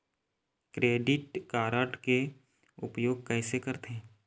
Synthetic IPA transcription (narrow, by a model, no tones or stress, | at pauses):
kɾeːɖɪʈkaːɾəʈke | ʊpjoːɡ̚kɛːsekəɾt̪ẽː